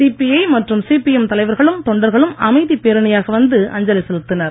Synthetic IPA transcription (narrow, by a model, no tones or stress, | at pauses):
siːpiɐɪmɐʈrɯmsipijɛmt̪ɐlɐɪʋɐɾɣɐɭɯmt̪ɔɳɖɐɾɣɐɭɯmɐmɐɪðipeːɾɐɳɐjaːɣɐʋɐnd̪ɯʔɐ̰ɲd͡ʒɐlɐsɛlɯt̪ːɯnɐɾ